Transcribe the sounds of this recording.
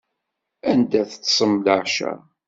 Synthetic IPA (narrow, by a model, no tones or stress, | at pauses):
ænd̪æθət̪ːsˤəmləʕʃæ̰